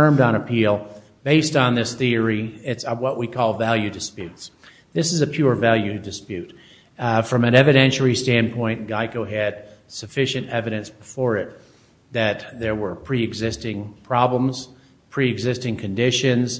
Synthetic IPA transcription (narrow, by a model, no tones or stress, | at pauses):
ə̃˞mdn̩əpʰilˠ | b̥eɪstn̩ðɪsθiə˞iɪtswʌʔwikʰɔlˠvælˠjʉdɨspjʉts | ðɪsɨzɨpʰj̥ʊɹvælˠjʉdɨspjʉt̚ | fɹʌ̃mɨ̃nɛvɨɾɛ̃nʃl̩ˠistæ̃npʰɔ̃ɪ̃nɡ̥aɪkoʊɨd̥̚sɨfɪʃɨ̃ntɛvɨɾɨ̃nsb̥əfɔɹɪt̪̚ | ðɨt̪̚ðə˞wə˞pʰɹ̥iɨɡzɪstɪ̃ŋpʰɹ̥ɑblə̃mz̥ | pʰɹ̥iɨɡzɪstɪ̃ŋkʰɨ̃ndɪʃɨ̃nz̥